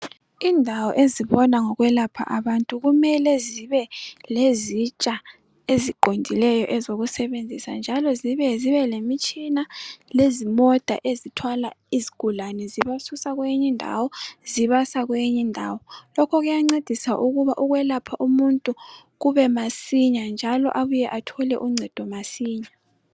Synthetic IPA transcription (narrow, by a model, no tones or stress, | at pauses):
indʱawɔʔeziβɔnaŋɔɣwɛlapʰa̰ʔaβantʼuɣumɛlɛziβɛlezit͡ʃʼa | eziǃʱondʱilɛjɔʔɛzoɣusɛβend͡zʱisand͡ʒʱalɔziβɛziβɛlemit͡ʃʼinalezimɔd̥ʱa̰ʔezitʰwala̰iziɡ̥ʱulanɛziβasusaɣwejiɲindʱa̰wɔziβasaɣwejiɲindʱaːwɔlɔkʰɔɣujaŋ͡ǀed̥ʱisaʔuɣuβaʔuɣwɛlapʰaʔumuntʼu | ɣuβɛmasiɲand͡ʒʱalɔ̰ʔaβujɛʔatʰɔlɛʔuŋ͡ǀʱɛd̥ʱɔmasiːɲa